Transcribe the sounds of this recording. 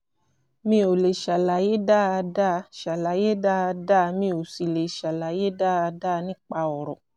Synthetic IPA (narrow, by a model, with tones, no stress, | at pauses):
mĩ˧˦o˨le˨ʃa˨la˨˦je˦da˦a˧da˦˧ʃa˨la˨˦je˦da˦˧da˦˧mĩ˧o˨si˨le˨ʃa˨la˨je˦da˦˨a˧da˦˧nĩ˦k͡pa˧ɔ˨ɾɔ˨